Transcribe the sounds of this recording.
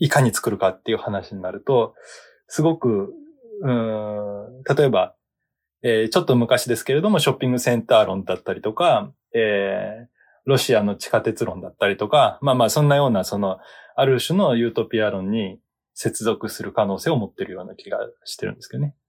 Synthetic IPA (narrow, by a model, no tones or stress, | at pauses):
ikaɲ̟it͡sɨ̥kɯ̟ɾɯ̟kat̪ːe̞iɯ̟hanaɕiɲ̟inaɾɯ̟t̪o̞ | sɨɡo̞kɯ̟ | ɯ̟̃ɴ | t̪at̪o̞e̞ba | eːt͡ɕo̞t̪ːomɯ̟kaɕid̪e̞sɨ̥ke̞ɾe̞d̪o̞mo̞ɕo̞pʲːĩŋɡɯ̟sẽ̞nt̪aːɾõ̞nd̪at̪ːaɾʲit̪o̞ka | eː | ɾo̞ɕiano̞t͡ɕi̥kat̪e̞t͡sɨɾõ̞nd̪at̪ːaɾʲit̪o̞kamaːmaːsõ̞nːajo̞ːnaso̞no̞aɾɯ̟ɕɨno̞jɯ̟ːt̪o̞pʲiaɾõ̞ɲ̟ːi | se̞t͡sɨzo̞kɯ̟sɨɾɯ̟kano̞ːse̞ːo̞mot̪ːe̞ɾɯ̟jo̞ːnakʲiɡa̰ɕi̥t̪e̞ɾɯ̟̰̃nd̪esɨ̥joe